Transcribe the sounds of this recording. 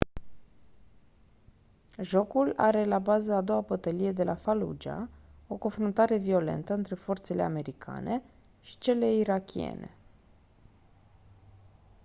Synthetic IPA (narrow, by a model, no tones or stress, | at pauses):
ʒo̞kula̰ɾe̞labazəad̪o̞wapət̪əlije̞d̪e̞lʔafalṵd͡ʒa̰o̞ko̞nfɾunt̪aɾe̞vio̞le̞̰nt̪əɨnt̪ɾe̞fo̞rt̪se̞le̞ame̞ɾikʰa̰nʔe̞ | ʃi̥t͡ʃe̞le̞iɾakʲʰiḛne̞̰